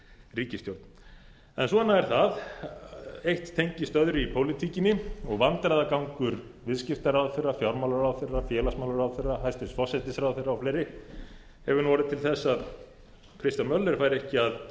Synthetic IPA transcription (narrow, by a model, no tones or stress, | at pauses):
riːcɪst̪jowɾt̪n | ɛnsɔɛnaɛɾ̥θað | ejht̪t̪ʰːejɲcɪst̪œðɾʏipʰoːwlit̪ʰiːcɪnɪɔɣvant̪ɾajðakawŋkʏɾ | vɪðscɪft̪aɾawðθerːafjawɾmawlaɾawðθerːafjɛːlasmawlaɾaðθerːaɦajst̪ɪst̪fɔsɛt̪ɪsɾawðθejrːawflejɾɪ | hɛvʏɾnvɔːɾɪðt̪ʰɪlθɛsːað | kʰɾɪst̪anmœlːɛɾ̥fajɾɪɛhcɪað